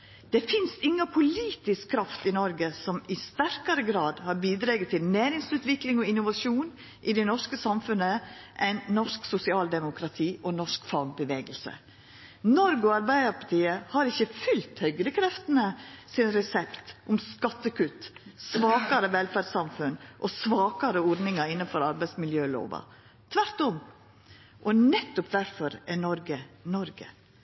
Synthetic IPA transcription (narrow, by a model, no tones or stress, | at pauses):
d̪̥ɛfɪnsɪŋːɑpʰʊliːt̪ɪskkʰːɾɑft̪ɪnɔɾɡəsɔmɪst̪æɾkɑɾəɡɾɑːd̪hɑɾbiːd̪ɾeːɡət̪ʰɪlnæːɾɪŋsʉːt̪ʋɪklɪŋɔɪnʊʋɑʂuːn | ʔɪd̪ɛnɔʂkəsɑmfʉnəʔɛɪnnɔʂksʊsɪɑːld̪ɛmʊkʰɾɑt̪ʰiːʔɔnɔʂkfɑɡ̚bəʋeːɡəlsə̰ | nɔɾɡɔɑɾbæɪd̪əɾpʰɑt̪iːəhɑɾɪçːəfʏlt̪hœʏɡɾəkʰɾɛft̪ənəsɪnɾɛsɛpt̪ʔʊmskɑt̪ːəkʉt̪sʋɑːkɑɾəʋɛlfæɾɖsɑmfʉnʔɔsʋɑːkɑɾəɔɾd̪nɪŋɑɾɪnːəfɔɾɑɾbæɪsmɪljøːlo̰ːʋɑ̰ | t̪ʰʋæɾt̪ɔm | ʔɔnɛt̪ːʊpd̪æɾfɔɾɛnɔɾɡənɔɾɡə̰